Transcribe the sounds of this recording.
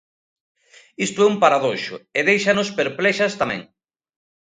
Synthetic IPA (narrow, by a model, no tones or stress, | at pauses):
ist̪ʊɛumpaɾaðoʃʊ̰eðejʃɐnospeɾplɛʃɐst̪amɛ̰̃ŋ